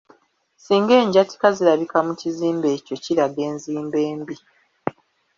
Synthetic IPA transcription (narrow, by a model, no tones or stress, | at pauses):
siːŋɡe̞ːɲɟati̥kaziɾaβikamuciziːmbe̞ːco̞ciɾaɡe̞ːnziːmbe̞ːmbi